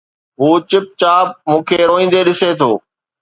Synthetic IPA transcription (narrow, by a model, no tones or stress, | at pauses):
ɦuːt͡ɕɪp̚t͡ɕaːp̚mũːkʰeːɾoːĩːn̆d̪eɗɪset̪ʰoː